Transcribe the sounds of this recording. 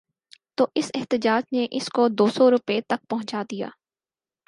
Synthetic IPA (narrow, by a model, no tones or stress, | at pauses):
t̪oːʔɪsɪɦt̪ɪd͡ʒaːd͡ʒneʔɪskod̪oːsɔɾʊpet̪ɐk̚pɐɦʊ̃t͡ʃaːd̪ija̰ː